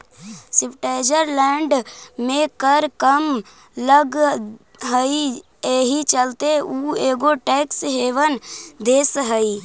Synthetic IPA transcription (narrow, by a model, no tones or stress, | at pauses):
sɪpʈed͡ʒəɾlɛːɳɖmẽkəɾkəm | ləɡ | ɦəi | eɦit͡ʃəlt̪euːeːɡoʈɛːksɦeːʋənd̪eːsɦəi